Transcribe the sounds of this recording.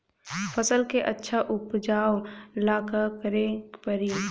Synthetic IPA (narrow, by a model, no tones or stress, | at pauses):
fʰəsəlkeʔɐtːʃʰaʔʊpd͡ʒaːwlaːkakəɾẽpəɾi